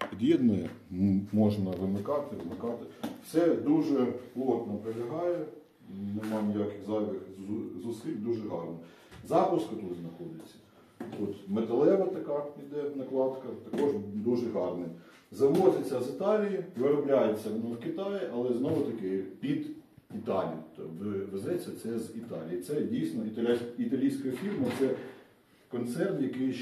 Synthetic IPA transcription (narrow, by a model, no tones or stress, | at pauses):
pʲid̪ʲjʲid̪nɔjɛmɔʒnɐʋɪmɪkɑt̪ɪʋɪmɪkɑt̪ɪwsɛd̪uʒɛplˠɔt̪nɐpɾelʲɐɦɑjɛ | nɪmɑjɪmjakɪxzɑʋʲɪxzʊsʲilʲd̪uʒɛɦɑrnɔ | zɑpʊskɐt̪ut̪znɐxɔd̪ʲɪt͡sʲːɐ̥ | t̪ut̪met̪elˠɛʋɐt̪ɐkɑpʲid̪ɛnɐklˠɑt̪kɐt̪ɐkɔʒd̪uʒɛɦɑrnɪ | zɐʋɔzʲɪt͡sʲːɐzɪt̪ɑlʲijiʋɪɾɔblʲajet͡sʲːɐʋɔnɔwkɪt̪ɑjɪʔɐlˠɛznɔʋʊt̪ɐkɪpʲid̪ | it̪ɑlʲḭjt̪ɔʋezɛt͡sʲːɐt̪sɛzit̪ɑlʲijit̪sɛdʲijsnɔit̪ɐlʲit̪ɐlʲijsʲkɔjɐfʲirmɐt̪sɛ | kɔnt̪sɛrt̪jɐkɪj